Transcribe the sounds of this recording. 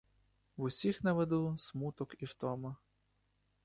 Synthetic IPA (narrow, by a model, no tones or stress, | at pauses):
wʊsʲixnɐʋed̪usmut̪ɔkiwt̪ɔmɐ